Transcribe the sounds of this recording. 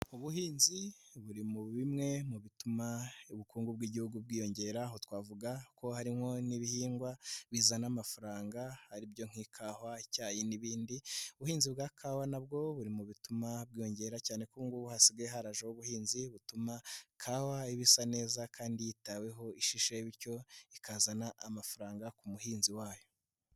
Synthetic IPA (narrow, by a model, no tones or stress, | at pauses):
uβuɦiːnziβuɾimuβimŋe̞muβitumauβukuːŋɡubɡiːɟihuɡub̚ɡiːjo̞ɲɟe̞ɾaɦotwaːvuɡako̞haɾimho̞niβihiːŋɡwaβizanamafaɾaːŋɡahaɾibɟo̞ŋ̥ikʰaːhwacaːjeniβiːndiuβuhiːnzibɡaːkʰawanab̚ɡo̞βuɾimuβitumabɡiːjo̞ɲɟe̞ɾacaːne̞kuŋɡuβuhasiɡeɦaɾaʒewoβuhiːnziβutumakʰawaiβisane̞ːzakaːndijitawe̞ɦo̞iʃiʃeβiɾco̞ikazanaʔamafaɾaːŋɡakumuhiːnziwaːjo̞